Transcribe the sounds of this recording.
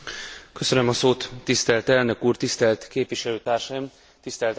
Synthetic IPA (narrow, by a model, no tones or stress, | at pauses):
kø̞sø̞nømɒsoːt̪ːist̪ɛlt̪ɛlnø̞kuːrt̪ist̪ɛlt̪keːpʋiʃɛløːt̪aːrʃɒjim | t̪ist̪ɛlt̪